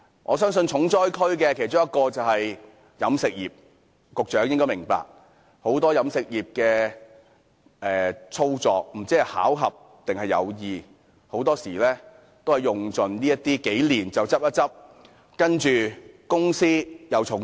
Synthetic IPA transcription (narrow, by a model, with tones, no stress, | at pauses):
ŋʔɔː˨˧sœː˥ŋsɵ˧nt͡sʰʊ˨˥ŋt͡sɔː˥jkʰɵ˥ɥkɛː˧kʰe˨˩jt͡sʊ˥ŋjɐ˥t̚kɔː˧t͡sɐ˨whɐ˨j | jɐ˨˧˥msɪ˨k̚jiː˨p̚ | kʊ˨k̚t͡ʃœː˨˥ŋjɪ˥ŋkɔː˥jmɪ˨˩ŋpa̰ː˨k̚ | ho˨˥wt̪ɔː˥jɐ˨˥msɪ˨k̚jiː˨p̚kɛː˧ | ɛː˨˩t͡sʰo˥wt͡sɔː˨k̚m̩˨˩t͡siː˥hɐ˨jha̰ː˨˥wɦɐ˨p̚ | t̪ɪ˨ŋhɐ˨jːɐ̰˨˧wjiː˨˧ | ho˨˥wt̪ɔː˥siː˨˩lɛː˥ | t̪o˥whɐ˨˩jʊ˨ŋt͡sɵ˨nniː˥jɐ˥t̪iː˥ke˨˥jliː˨˩nt͡sɐ˨wt͡sɐ˥p̚jɐ˥t͡sɐ˥p̚ | kɐ˥nt͡ʃyː˨kʊ˥ŋsiː˥jɐ˨˧wt͡sʰʊ˨˥ŋ